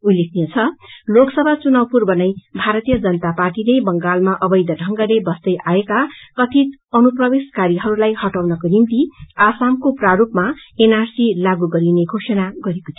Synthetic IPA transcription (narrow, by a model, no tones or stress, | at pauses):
ulːekʰnijet͡sʰʌloksʌbʱat͡sunʌwpurbʌnʌjbʱaɾʌt̪ijʌd͡zʌnʌt̪aparʈilebʌŋɡalmaʔʌbʌjd̪ʌɖʱʌŋɡalebʌsd̪ʌjʔaekakʌt̪ʰit̪ʌnuprʌbeskaɾiɦʌɾulajhʌʈawnʌkonimt̪iasamkopraɾupmaenarsilaɡuɡʌɾineɡʱosʌnaɡʌɾeko̥t̪ʰi